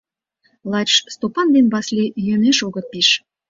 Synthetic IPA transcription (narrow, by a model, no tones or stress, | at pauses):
lɑt͡ɕst̪opɑnd̪enbɑslʲijeneʃoɣɤ̆t̪̚piʃ